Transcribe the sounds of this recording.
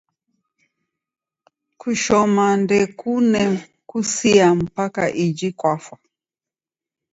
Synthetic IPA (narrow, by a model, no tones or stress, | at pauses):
kʰuʃɔmandɛkunɛ | kusiam̩pakaʔid͡ʒikwafwa